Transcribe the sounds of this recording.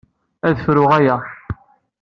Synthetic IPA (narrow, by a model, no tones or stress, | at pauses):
æðəfɾʊʁæjæ